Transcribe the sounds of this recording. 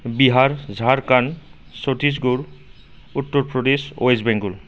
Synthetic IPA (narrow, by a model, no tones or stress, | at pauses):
biɦaɹzʱaɹkan | sotis̬ɡuɹ | utːɔɹpɹɔdeso̰ezbɛŋɡul